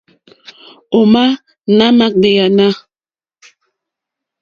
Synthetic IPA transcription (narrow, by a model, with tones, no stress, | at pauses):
o˨ma˦ | na˦ma˦k̚de˨ja˨na˦